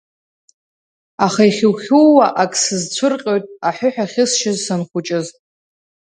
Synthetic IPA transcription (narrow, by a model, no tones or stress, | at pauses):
aχaiχʲɪwχʲuwaʔakʼsɨzt͡ɕʷʰʊrqʲʼojtʼaħʷᶣʊħᶣaχʲɪsʃɪzsanχʷʊt͡ʃʼɪz